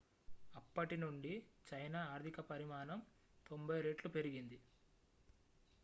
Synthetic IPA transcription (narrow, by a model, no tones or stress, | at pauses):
ɐpːɐʈinuɳɖit͡ʃɐjnaːaːɾt̪ʰikɐpɐɾimaːnɐm | t̪o̞mbʱɐjɾeːʈlupe̞ɾiɡind̪i